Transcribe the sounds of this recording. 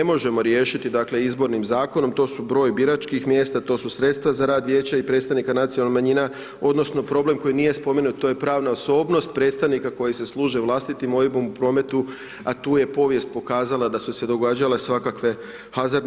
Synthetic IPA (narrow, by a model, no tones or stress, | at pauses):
emo̞ʒe̞mo̞ɾje̞ːʃit̪id̪akle̞izbo̞ɾnimzaːko̞no̞mt̪o̞subɾo̞ːjbiɾat͡ʃkixmje̞ːst̪at̪o̞susɾe̞t̪st̪ʋazaɾaːd̪ʋje̞ːt͡ɕaipɾet̪st̪aʋnikanat̪sijolnmaɲina | o̞d̪no̞sno̞pɾo̞ble̞mko̞jinije̞spo̞menut̪̚t̪ːo̞jepɾaːʋnaoso̞ːbno̞st̪̚pɾet̪st̪aʋnikako̞jise̞slˠuːʒeʋlˠast̪it̪imo̞ibomupɾo̞ːme̞t̪u | at̪uːje̞po̞ʋje̞st̪̚po̞kaːzalˠad̪asuse̞d̪o̞ɡaːd͡ʑale̞sʋakakʋe̞ | hazaɾ